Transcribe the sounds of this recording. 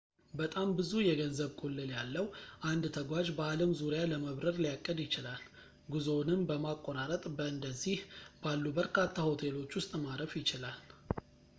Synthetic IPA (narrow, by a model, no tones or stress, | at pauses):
bət̪ʼambɨzujɛɡənzəβkʼolːɨljalːəwʔand̪t̪ʰəɡʷad͡ʒbəaləmzuɾjaləməβɾəɾlijakʼːəd̪jɪt͡ʃɪlal | ɡuzonɨmbəmakʼːoɾaɾət̪ʼbəɨnd̪əzːihb̥alːubəɾkʰat̪ʰːaho̞t̪ʰe̞lo̞t͡ʃːwʊst̪ʼmaɾəfjɪt͡ʃɪlal